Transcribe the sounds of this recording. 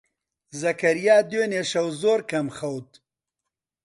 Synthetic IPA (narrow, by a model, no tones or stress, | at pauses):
zɐkaɾijɑːd̪eneʃɐwzoːɾkamxawd̪